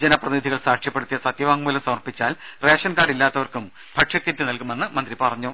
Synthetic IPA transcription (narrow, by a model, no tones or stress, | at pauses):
d͡ʑe̞nɐprɐt̪inid̪ʱiɣɐɭsaːkʂjɐpːe̞ɽut̪ːijɐsɐt̪jɐʋaːŋmuːlɐmsɐmɐrpit͡ɕːaːlre̞ːʂɐnkaːɽilːaːt̪ːɐʋɐrkum | bʱɐʈʂɐkːit̪ːɨnɐlkume̞nːɨmɐnd̪ripɐrɐɲːu